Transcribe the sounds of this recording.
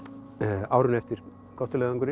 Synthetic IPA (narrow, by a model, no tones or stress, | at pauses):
awɾʏnɛft̪ɪɾ̥ | kɔht̪ːʏlɛːɣðʏŋkʏɾɪ